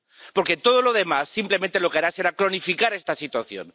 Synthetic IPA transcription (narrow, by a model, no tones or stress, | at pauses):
po̞ɾket̪o̞ð̞o̞lo̞ðe̞masːimple̞mẽnt̪e̞lo̞keaɾaseɾakɾo̞nifikaɾe̞st̪asit̪waθjo̰n